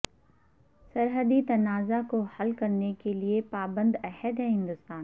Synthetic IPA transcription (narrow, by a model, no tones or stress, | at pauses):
sɐɾɦəd̪it̪ɐnaːzakohɐlkɐɾnekeliepaːbə̃nd̪ɛhəd̪ɦɛ̃ɦɪ̃nd̪ʊst̪aːn